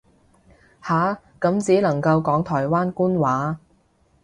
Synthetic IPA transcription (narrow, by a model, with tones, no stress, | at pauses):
haː˨˥ | kɐ˨˥mt͡siː˨˥lɐ˨˩ŋkɐ˧wkɔː˨˥ŋt̪ʰɔː˨˩jwaː˥nkuː˥nwaː˨˥